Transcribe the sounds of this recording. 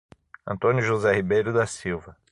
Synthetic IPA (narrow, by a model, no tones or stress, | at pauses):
ɐ̰̃nt̪õnjʊʒozɛhibejɾʊd̪ɐsiwvɐ